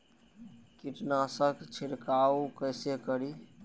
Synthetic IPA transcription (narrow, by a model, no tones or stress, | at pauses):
kiʈnasəkt͡ʃʰiɾkaukəsekəɾi